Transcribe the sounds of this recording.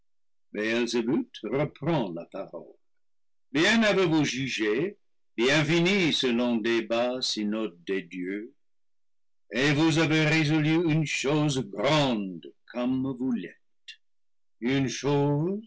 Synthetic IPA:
bɛɛlzebyt̪rəpχɑ̃lapaʁɔ̰l | bjɛ̃navevuʒyʒe | bjɛ̃finisəlɔ̃d̪ebasinɔt̪̚d̪ed̪jø | evuzaveʁezɔlyynʃozɡʁɑ̃d̪kʰɔmvulɛt̪ | ynʃoz

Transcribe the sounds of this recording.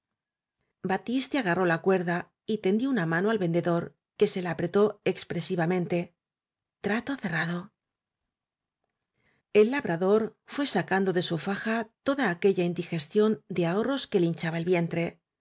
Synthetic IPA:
bat̪ist̪jaɣaro̞lakwe̞ɾða | it̪e̞nd̪jounamanoalβe̞nd̪e̞ðo̞ɾ | ke̞se̞laapɾe̞t̪o̞e̞kspɾe̞siβamẽ̞nt̪e̞ | t̪ɾat̪o̞θe̞raðo̞ | e̞lːaβɾʔaðo̞ɾfwe̞sakand̪o̞ðe̞sufaxat̪o̞ðaːke̞ʎaind̪ixe̞st̪jo̞nd̪eao̞ro̞ske̞lint͡ʃaβaelβje̞nt̪ɾe̞

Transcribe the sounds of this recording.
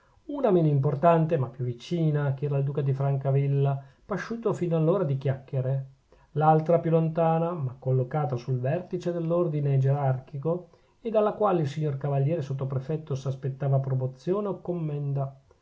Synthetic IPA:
uːnameːnoimp̬ort̪ant̪emapːjuvːit͡ʃiːnakeɛːɾaild̪uːkad̪ifɾaŋkavilːapaʃːuːt̪ofinoalːoːɾad̪ik̟jakːeɾe | lalt̪ɾapjulont̪aːnamakːolːokaːt̪asulvɛrt̪it͡ʃed̪elːord̪ined͡ʒeɾarkiko | ed̪alːakwaːleilsiɲːorkavaljɛːɾesot̪̬ːopɾefɛt̪ːosaspet̪ːaːvapɾomot̪sːjoːneokːomːɛnd̪a

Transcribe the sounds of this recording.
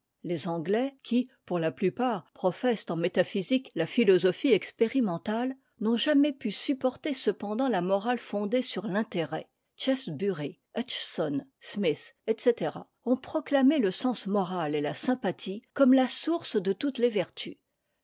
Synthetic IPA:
lezɑ̃ɡlɛkʲʰipuʁlaplypaːʁpχɔfɛst̪ɑ̃met̪afiziklafilɔzɔfiɛkspeʁimɑ̃t̪al | nɔ̃ʒamɛpysypɔʁt̪esəpɑ̃d̪ɑ̃lamɔʁalfɔ̃d̪esyʁlɛ̃t̪eʁɛ | t͡ʃɛfsbyʁi | aʃsɔnsmisɛt̪set̪eʁa̰ | ɔ̃pχɔklameləsɑ̃smɔʁalelasɛ̃pat̪ʰikɔmlasuʁsd̪ət̪ut̪levɛʁt̪ʰy

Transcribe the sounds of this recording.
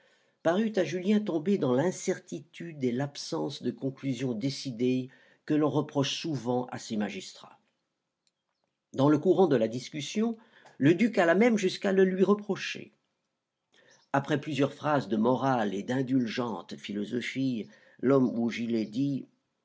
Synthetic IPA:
paʁyt̪aʒyljɛ̃t̪̬ɔ̃bed̪ɑ̃lɛ̃sɛʁt̪it̪yd̪elapsɑ̃sd̪əkɔ̃klyzjɔ̃d̪esid̪e | kəlɔ̃ʁəpχɔʃsuvɑ̃ʔa̰semaʒist̪χa̰ | d̪ɑ̃ləkuʁɑ̃d̪əlad̪iskʲysjɔ̃ | ləd̪ykalamɛmʒyskaləlɥiʁəpχɔʃḛ | apχɛplyzjœʁfχazd̪əmɔʁaled̪ɛ̃d̪ylʒɑ̃t̪filɔzɔfi | lɔmuʒilɛd̪i

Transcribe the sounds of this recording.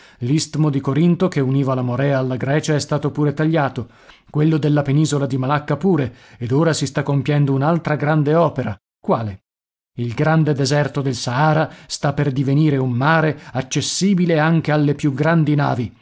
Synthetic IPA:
list̪mod̪ikoɾint̪okeuniːvalamoɾɛaːlːaɡɾɛːt͡ʃaɛst̪aːt̪opuːɾet̪aʎːaːt̪o | kwelːod̪elːapeniːzolad̪imalakːapuːɾeed̪oːɾasist̪akːompjɛnd̪ounalt̪ɾaɡɾand̪eɔːpeɾa | kwaːle | ilɡɾand̪ed̪ezɛrt̪od̪elsaaːɾast̪apːerd̪iveniːɾeumːaːɾeat͡ʃːesːiːbileaŋk̟ealːepjuɡɾand̪ina̰ːvi

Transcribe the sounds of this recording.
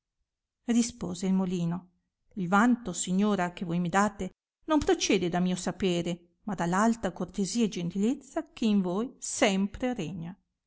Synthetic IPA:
rispoːzeilmoliːno | ilvant̪osiɲːoːɾak̟evojmid̪aːt̪e | nompɾot͡ʃɛːd̪ed̪amiːosapeːɾe | mad̪alːalt̪akort̪eziːaed͡ʒent̪ilet̪sːak̟ʰeiɱvoːjsɛmpɾereɲa

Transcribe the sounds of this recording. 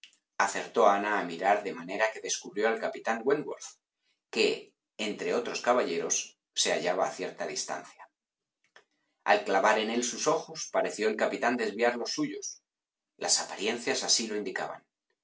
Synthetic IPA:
aθe̞ɾt̪o̞anaːmiɾaɾðe̞mane̞ɾake̞ðe̞skuβɾjo̞alkapit̪aŋɡweŋɡwo̞ɾf | ke̞ː | nt̪ɾe̞o̞t̪ɾo̞skaβaʎe̞ɾo̞sː | e̞a̰ʎaβa̰ːθje̞ɾt̪aðist̪a̰n̟θja | a̰lklaβ̞aɾe̞ne̞lsuso̞xo̞spaɾe̞θjo̞e̞lkapit̪and̪e̞zβiaɾlo̞sːuʝo̞s | lʔa̰sapaɾje̞n̟θjasasilo̞ind̪ika̰βa̰n

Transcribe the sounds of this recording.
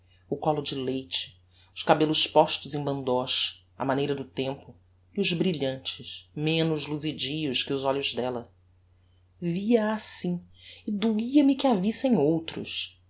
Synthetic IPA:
ʊkɔlʊd͡ʒɪlejt͡ʃɪ̥ | ʊʃkabelʊspɔʃt̪ʊzẽj̃bɐ̃nd̪ɔʃ | ɐ̰manejɾɐd̪ʊt̪ẽmpʊ | iʊzbɾiʎɐ̃nt͡ʃɪsmẽnʊzluzid͡ʒijʊskɪʊzɔʎʊzd̪ɛlɐ | viɐasĩɪd̪uiɐmɪkɪavisẽj̃owt̪ɾʊ̰ʃ

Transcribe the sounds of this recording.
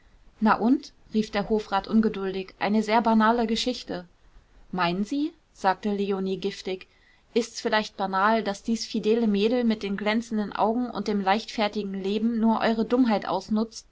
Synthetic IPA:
naʔʊnt | ʁiːfd̥eːɐhoːfʁ̥aːtʔʊnɡədʊldɪçʔa̰ɪnəzeːɐbanaːləɡəʃɪçtə | maɪnənziː | z̥aːk̚təleoniːɡɪftɪç | ʔɪstsfɪlaɪçt̚b̥anaːld̥asd̥iːsfideːləmeːdl̩mɪt̚d̥eːnɡlɛnt͡sn̩dənʔa̰ʊɡŋ̩ʔʊ̰nt̚d̥eːmlaɪçtfɛɐtɪɡŋ̩leːbm̩nuːɐʔɔ̰ʏʁədʊmɦaɪtʔa̰ʊsnʊt͡st

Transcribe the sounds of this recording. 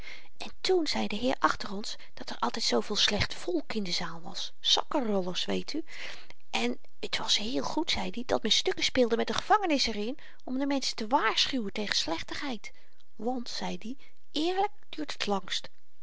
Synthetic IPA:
ʔɛntunz̥ɛjdəɦɪːɹʔɑχtərɔns | d̥ɑtɛɹʔɑ̰lˠtɛjtsowvɪːlˠslɛχtfɔlˠkɪndəzaːlˠʋɑ̰s | sɑkərɔləɹsʋejtʰy | ʔɛn | ətʋɑsɦɪːlˠχutsɛjdidɑt̚mɛnstøkəspɪːlˠdəmɛt̚dəχəv̥ɑŋənɪsɛrɪn | ɔmdəmɛnsə̥təʋaːɹsχywəntejχənslɛχtəχɦɛjt | ʋɑntsɛjdi | ʔɪːɹlək̚d̥yːɹtə̥tʰlɑŋst

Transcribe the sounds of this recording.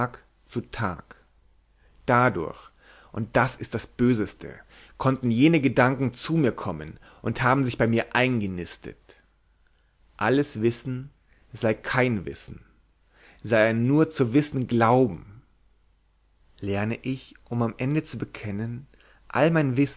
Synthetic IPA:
k | t͡sutʰa̰ːk | d̥adʊ̰ɐç | ʔʊnt̚d̥asɪst̚d̥asb̥øːzəstʰə̰ | kʰɔntn̩jeːnəɡədaŋkŋ̩t͡suːmiːɐkʰɔmən | ʔʊnthaːbm̩zɪçb̥aɪmiːɐʔaɪnɡənɪstə̰t | ʔaləsv̥ɪsn̩ | zaɪkʰaɪnvɪ̰sn̩ | zaɪɛnuːɐt͡suvɪsn̩ɡlaʊbm̩ | lɛɐnəʔɪçʔʊmamʔɛndət͡subəkʰɛnən | ʔa̰lmaɪnvɪs

